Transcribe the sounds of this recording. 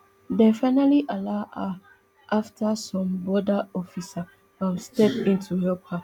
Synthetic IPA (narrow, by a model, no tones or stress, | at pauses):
dɛfaɪnaliʔalaʔa | ʔaftʰasɔ̃mbɔdaɔfisa | fɔ̃mstɛpĩntʰuhɛpa